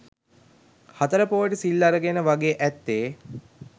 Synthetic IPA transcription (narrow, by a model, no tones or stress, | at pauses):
hat̪əɾəpoʋəʈəsilːaɾəɡenəʋaɡeːʔæt̪ːeː